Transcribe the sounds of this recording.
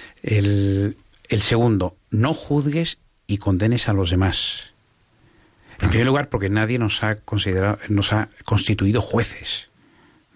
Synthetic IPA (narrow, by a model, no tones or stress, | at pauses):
el | else̞ɣund̪o̞ | no̞xuðɣe̞s | iko̞nd̪ene̞salo̞zðe̞mas | e̞mpɾimeɾluɣaɾpo̞ɾke̞naðje̞nosakonsiðeɾano̞sako̞nst̪it̪uiðoxwe̞θe̞̥s